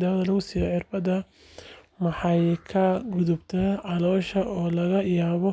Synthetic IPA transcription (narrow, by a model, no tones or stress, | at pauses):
d̪ɐːwɐðɐlɐɣʊsiːjɔħɪrbɐðɐ | mɐħɑjkʰɐɡʊðʊbt̪ʰɐʕɑlɔːʃɐʔɔːlɐɣɐjaːβɔ